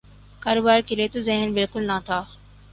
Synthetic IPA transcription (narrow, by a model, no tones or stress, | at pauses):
kaːɾoːbaːɾkɪleːt̪uzɛɦənbɪlkʊlnãːt̪ʰaː